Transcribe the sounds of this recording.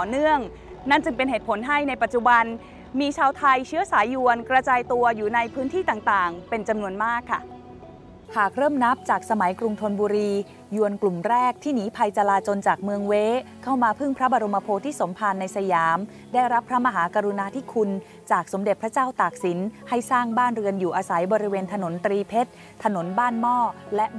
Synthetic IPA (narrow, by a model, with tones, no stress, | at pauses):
t̪ɔː˨˩nɯ˥˩əŋ | na˥˩nt͡ɕɯ˧ŋpe˧nɦeː˨˩t̪̚pʰo˩˦nɦa˥˩jna˧jpa˨˩t̪̚t͡ɕu˨˩ba˧n | miː˧t͡ɕʰaː˧wt̪ʰa˧jt͡ɕʰɯ˦˥ɐsaː˩˦jːu˧ənkɾa˧t͡ɕaː˧jt̪u˧ɐjuː˨˩na˧jpʰɯː˦˥nt̪ʰiː˥˩t̪aː˨˩ŋt̪aː˨˩ŋpe˧nt͡ɕa˧mnu˧ənmaː˥˩kʰːa̰˥˩ | hʰaː˨˩k̚ɾɤː˥˩mna˦˥p̚t͡ɕaː˨˩k̚sa˧ma˩˦jkɾu˧ŋt̪ʰo˧nbuː˧ɾiː˧ | ju˧ənklu˨˩mɾɛː˥˩k̚t̪ʰiː˥˩niː˦˥pʰa˧jt͡ɕa˧laː˧t͡ɕo˧nt͡ɕaː˨˩k̚mɯ˧əŋweː˦˥kʰa˥˩wmaː˧pʰɯ˥˩ŋpʰɾa˦˥ba˧ɾo˧mːa˧pʰoː˧t̪ʰiː˥˩so˩˦mpʰa˧nːa˧jsa˧jaː˩˦m | daː˥˩jɾa˦˥pʰːɾa˦˥ma˧ɦaː˩˦ka˧ɾu˧naː˧t̪ʰiː˥˩kʰu˧n | t͡ɕaː˨˩k̚so˩˦mde˨˩t̪̚pʰɾa˦˥t͡ɕaː˥˩wt̪aː˨˩k̚si˩˦nha˥˩jsaː˥˩ŋbaː˥˩nɾɯ˧ənjuː˨˩ʔaː˧sa˩˦jbɔː˧ɾi˦˥weː˧nt̪ʰa˧no˩˦nt̪ɾiː˧pʰe˦˥t̪̚ʰːa˧no˩˦nbaː˥˩nmɔː˥˩lɛ˦˥